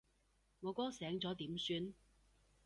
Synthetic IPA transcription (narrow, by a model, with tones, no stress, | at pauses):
ŋɔː˨˧kɔː˥sɛː˨˥ŋt͡sɔː˨˥t̪iː˨˥msyː˧n